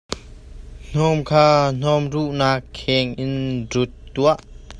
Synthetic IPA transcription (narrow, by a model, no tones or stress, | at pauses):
n̥ɔmkʰaːn̥ɔmruʔnakʰːɛŋʔɪnrut̪̚ːuaʔ